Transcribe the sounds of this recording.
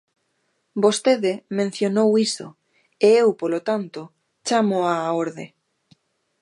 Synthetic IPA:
bost̪eðɪmẽn̟θjonowiso̰ | eewpolot̪ant̪o | t͡ʃamoaːoɾðe

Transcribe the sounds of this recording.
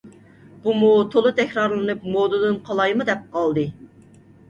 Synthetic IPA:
b̥umut̪ʰolˠɨt̪ʰɛkʲɾɑɾlˠɨnɨp̚mod̪ɨd̪ɨnqʰɑlˠɑjmɨd̪ɛp̚qʰɑlˠd̪ɨ

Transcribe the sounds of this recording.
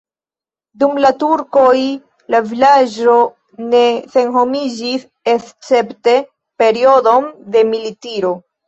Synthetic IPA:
dumlatuɾko̞j | lavilad͡ʒo̞ | ne̞se̞nɦo̞mid͡ʒis | est͡se̞pte̞ | pe̞ɾio̞do̞nde̞militiɾo̞

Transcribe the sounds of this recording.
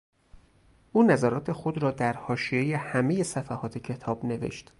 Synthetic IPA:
ʔuːnæzæɾɒːt̪ʰe̞xo̞d̪ɾɒːd̪æɾhɒːʃie̞jehæme̞je̞sæfæhɒːt̪ʰe̞cʰe̞t̪ʰɒːbne̞vḛʃt̪

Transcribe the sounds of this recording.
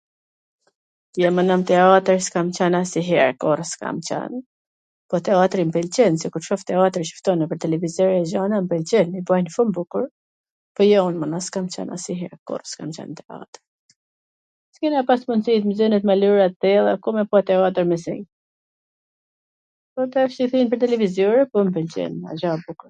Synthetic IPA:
t̪jamanamt̪ɛat̪əɾskamt͡ɕanasiɦɛɾkɔrəska̰mt͡ʃa̰n | pɔt̪ɛat̪ɾimpɛlt͡ɕɛnsɛkuɾʃɔft̪ɛat̪əɾʃə̥ft̪ɔnɛpəɾt̪ɛlɛvizɔɾazanampɛlt͡ɕɛnibajnfumbukuɾ | pɔjɔunmənaskamt͡ʃa̰nʔa̰siɦɛ̰ɾkɔ̰rəskamt͡ʃa̰nt̪ɛa̰t̪ɾ | skinapasmunsit̪mizɛnɛt̪maluɾat̪ːɛlˠakɔmɛpɔat̪ɛat̪̬əɾmɛsḭŋ | pɔt̪ɛfʃiθinpəɾt̪ɛlɛvizjɔɾɛpɔmpɛlt͡ʃɛ̰na̰ʒabukuɾ

